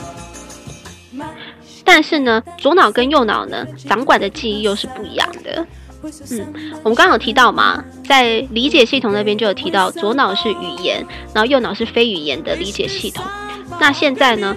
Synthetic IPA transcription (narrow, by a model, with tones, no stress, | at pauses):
t̪a˥˧nʂɻ̩˥˩nə˩t͡swɔ˧˥nɑ˨˩ʊkə˦njo˥˩ʊnɑ̰˨˩ʊnə̰˦t͡sɑ˧˥ŋkwa˨˩nd̪ə˦t͡ɕi˥˧i˥˧jo˥˧ʊʂɻ̩˥˧pu˥˩ḭ˧˥jɑ̰˥˩ŋd̪ə̰˩ | n̩˥˩wmə˦nkɑ˥ŋkʰɑ˨˩ŋt̪ʰi˧˥t̪ɑ˥˩ʊmɐ̰˨˩ | t͡sa˥˩ɪli˧˥t͡ɕjɛ˨˩ɕi˥˩ʊ˨˩ŋna˥˩jnt͡ɕo˥˧˩jo˨˩t̪ʰi˧˥t̪ɑ˥˩ʊt͡swɔ˧˥nɑ˨˩ʊʂɻ̩˥˩y˨˩jɛ̰˧˥n | n˧˥o˥˧jo˥˩ʊnɑ˨˩ʊʂɻ̩˥˩fe˥ɪy˨˩jɛ̰˧˥nd̪ə˨li˧˥t͡ɕjɛ̰˨˩ɕi˥˩t̪ʰʊ˨˩˦ŋ | na˥˧ɕjɛ˥˧nt͡sa˥˩ɪnə˩